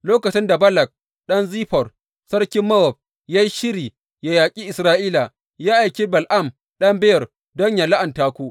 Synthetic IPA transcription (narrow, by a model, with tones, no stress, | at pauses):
loː˦kɐ˨t͡ʃɪ˦nda˨bɐ˦lɐ˨k̚ | ɗɐ˦nziː˦ɸɔ˨r | sɐ˦ɽkʲɪ˦mːɐ˦wɔ˨ɸ̚ | jaː˦ji˦ʃɪ˦ɾiː˨ | ja˨jaː˨kʲʼiː˦ʔɪ˨sɾaː˦ʔiː˦la˨ | jaː˦ʔa˨jkʲiː˦bɐ˨lʔa˦˨m | ɗɐ˦mbɪ˦jɐ˨r | dɔ˦ɲja˨la˦ʔɐ˨ntaː˦kʷu˦ʔ